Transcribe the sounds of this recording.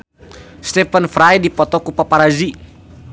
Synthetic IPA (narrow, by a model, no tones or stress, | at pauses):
st̪ɛpanfɾajdipɔt̪ɔkupapaɾazi